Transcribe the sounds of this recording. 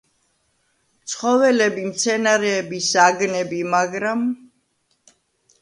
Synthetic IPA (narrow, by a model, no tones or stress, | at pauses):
t̪sʰχɔvɛlɛbimt̪sʰɛnaɾɛːbisaɡnɛbimaɡɾam